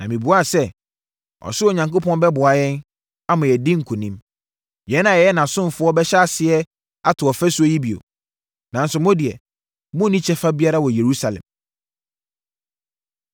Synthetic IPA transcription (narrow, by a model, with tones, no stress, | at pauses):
nã˨mĩ˨bu˨a˦˨sɛ˦ | ɔ̰˨sʊ˦ɔ˨ɲã˨ŋkʊ˦pʰɔ̃˦n˦bɛ˦bʊ˨a˨jɛ̃˦n | a˦mã˨jɛ˨dĩ˦ŋ̩˨kʰʊ˨nĩ˦m | jɛ˨˦nã˨jɛ˨jɛ˦nã˨sʊ̃˦m˨fʊ˨˦ɔ˦bɛ˦ɕa˦a˦˨sɪ˨ɛ˦ | a˦tʰʊ˨ɔ˨fɛ˦su˦ɔ˦ji˦bi˨o̰˨ | nã˨n̩˦sʊ˨mɔ̃˦dɪ˨ɛ˨ | mʊ̃˦nĩ˦t͡ɕʰɛ˦fa˦bi˦a˦ɾa˦wɔ˨je˨ɾu˦sa˨lɛ̰̃˨m